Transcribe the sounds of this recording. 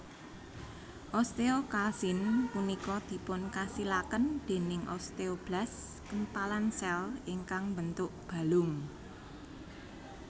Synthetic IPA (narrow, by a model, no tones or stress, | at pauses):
ʔɔst̪eokalsinpunikɔd̪̥i̤pʊnkasilakənd̪̥e̤nɪŋʔɔ̰st̪eob̥las | kənpalansɛliŋkaŋbənt̪ʊʔb̥a̤lʊŋ